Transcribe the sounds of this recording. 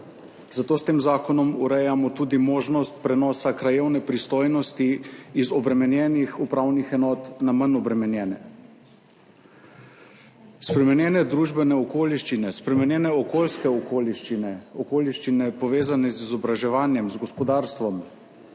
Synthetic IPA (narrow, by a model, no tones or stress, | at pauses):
z̥at̪oːst̪eːmzaːkɔnɔmuɾɛjamɔt̪uːd̪imoːʒnɔst̪̚pɾɛnɔːsakɾajewnɛpɾist̪oːjnɔst̪iːzɔbɾɛmɛnjɛːnixupɾaːwnixɛnɔːt̪namanɔbɾɛmɛnjɛːnɛ | spɾɛmɛnjɛːnɛd̪ɾuːʒbɛnɛɔkoːliʃt͡ʃinɛspɾɛmɛnjɛːnɛɔkoːlskɛɔkoːliʃt͡ʃinɛɔkoːliʃt͡ʃinɛpɔʋeːzanɛzizɔbɾaʒɛʋaːnjɛmzɡɔspɔd̪aːɾst̪ʋɔm